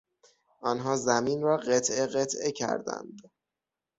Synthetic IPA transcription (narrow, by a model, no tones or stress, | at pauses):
ʔɒːnɦɒːzæmiːnrɒːɢet̪ʰʔeɣet̪ʰʔecʰæ̰ɾd̪æ̰nd̪